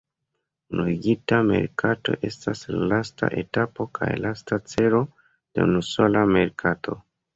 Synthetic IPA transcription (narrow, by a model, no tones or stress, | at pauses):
unuɡitame̞̰ɾkʰato̞̰ʔe̞staslalasta̰ʔe̞̰tapo̞kʰa̰jlastat͡se̞ɾo̞ | d̥eṵnuso̞lame̞ɾkʰatʰo̞